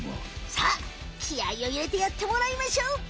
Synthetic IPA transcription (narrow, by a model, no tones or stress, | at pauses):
sa | kʲʰiaioiɾe̞t̪ejat̪ːe̞moɾaimaɕo